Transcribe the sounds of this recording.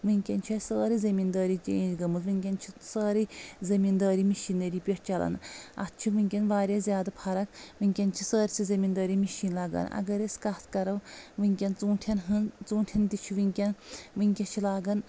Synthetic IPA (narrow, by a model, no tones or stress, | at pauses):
ʋɨŋʲkʲɐnʲt͡ʃʰɐsəːɾɨzɐmind̪ɐːɾit͡ʃḛːd͡ʒɡɐmɨzʋɨŋkʲɐnt͡ʃʰisəːɾɨzɐmind̪ɐːɾimiʃinɐɾiːpʲot͡ʃɐlɐ̰nɐ̰t̪̚t͡ʃʰiʋɨŋʲkʲɐnʋaːɾʲjaːzʲjaːd̪ɐpʰɐɾɐkʋɨŋʲkʲɐnt͡ʃʰi̥səːɾsizɐmind̪ɐːɾimiʃiːnlɐːɡɐ̰ːnɐ̰ɡɐɾesʲkɐt̪ʰkɐɾɐʋʋɨŋʲkʲɐnt͡sũːʈʰɐnɦɨnt͡sũːʈʰʲɐnd̪it͡ʃʰiʋɨŋʲkʲɐnʋɨŋʲkʲɐt͡ʃʰilaːɡɐn